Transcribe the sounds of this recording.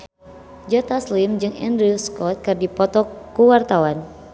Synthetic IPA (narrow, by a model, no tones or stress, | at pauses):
d͡ʒɔt̪aslimd͡ʒɨŋɛ̰ndɾiskɔt̪̚kɨrdipɔt̪ɔkuwart̪awan